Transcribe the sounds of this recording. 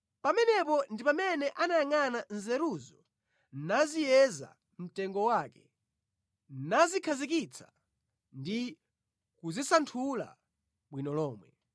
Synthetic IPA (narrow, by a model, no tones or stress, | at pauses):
pamɛnɛpɔndipamɛnɛʔanajaŋanan̩zɛɾuzɔ | nazijɛza̰ | m̩tɛŋɡɔwaːkɛ | nazikʰazikit͡sʰḁ | ndi | kuzisantʰula̰ | ɓwinɔlɔːmwɛ